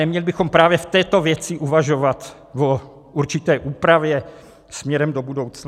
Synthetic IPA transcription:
ɛmɲɛlɪbɪxompɾaːvjɛft̪ɛːt̪o̞vjɛt͡sɪʔuvaʒovat̪ | vo | uɾt͡ʃɪt̪ɛːʔuːpɾavjɛ | smɲɛɾɛmdobudowt͡sn

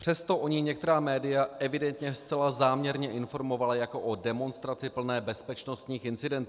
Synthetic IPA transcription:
pr̥ɛst̪o̞ʔo̞ɲɪɲɛk̚t̪ɛɾaːmɛːdɪjaɛvɪdɛnt̪ɲɛst͡sɛlazaːmɲɛɾɲɛʔɪnfo̞ɾmo̞valajako̞ʔodɛmo̞nst̪ɾat͡sɪpl̩nɛːbɛspɛt͡ʃno̞st̪ɲiːxɪnt͡sɪdɛnt̪ː

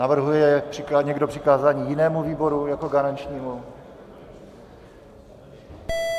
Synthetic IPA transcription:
navr̩ɦujɛjɛpr̥ɪkaɲɛɡdo̞pr̝̥ɪkaːzaːɲiːjɪnɛːmuviːbo̞ɾujakoɡaɾaɲt͡ʃɲiːmu

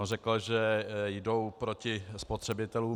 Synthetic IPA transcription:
rɛkl̩ʒɛjdo̞wpɾo̞cɪspot̪r̥ɛbɪt̪ɛluː

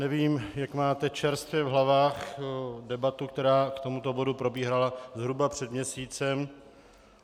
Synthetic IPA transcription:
nɛviːmjakmaːt̪ɛt͡ʃɛɾst̪vjɛvɦlavaːxdɛbat̪uk̚t̪ɛɾaːkt̪o̞mut̪o̞bo̞dupɾo̞biːɦalazɦɾubapr̥ɛd̪mɲɛsiːt͡sɛm

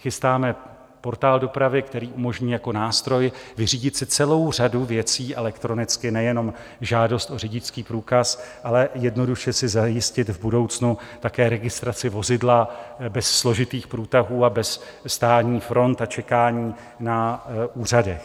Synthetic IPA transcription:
xɪst̪aːmɛ | po̞ɾt̪aːldo̞pɾavɪkt̪ɛɾiːʔumo̞ʒɲiːjako̞naːst̪ɾo̞jvɪriːɟɪt̪sɪt͡sɛlo̞wr̝aduvjɛt͡siːʔɛlɛkt̪ɾo̞nɪt͡skɪnɛjɛno̞m | ʒaːdo̞st̪o̞rɪɟɪt͡skiːpɾuːkasʔalɛjɛdno̞duʃɛsɪzajɪscɪt̪vbudo̞wt͡snut̪akɛːɾɛɡɪst̪ɾat͡sɪvo̞zɪdlabɛsːlo̞ʒɪt̪iːxpɾuːt̪aɦuːabɛsː | t̪aːt̪ɲiːfɾo̞nt̪at͡ʃɛkaːɲiː | naʔuːr̝adɛx

